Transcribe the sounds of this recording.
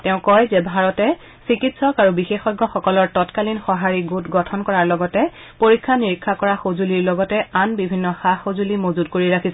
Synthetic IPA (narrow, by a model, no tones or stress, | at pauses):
tɛʊ̃kɔjzɛbʱaɹɔtɛ | sikitsɔkaɹubixexɔɡɔxɔkɔlɔɹtɔtkalinxɔɦaɹiɡutɡɔtʰɔnkɔɹaɹlɔɡɔtɛ | poɹikʰːaniɹikʰːakɔɹaxozuliɹlɔɡɔtɛanbibʱinːɔxaxozulimozudkoɹiɹakʰisɛ